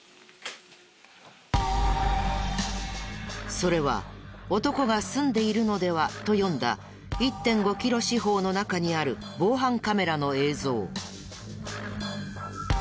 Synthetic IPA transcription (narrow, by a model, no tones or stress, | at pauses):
so̞ɾe̞β̞a̰o̞t̪o̞ko̞ɡasɨ̃nd̪e̞iɾɯ̟no̞d̪e̞βat̪o̞jõ̞nd̪a̰ | it̪ːẽ̞ŋɡo̞kʲiɾo̞ɕiɦo̞ːno̞nakaɲ̟iaɾɯ̟bo̞ːɦãŋkame̞ɾano̞e̞ːzo̞ː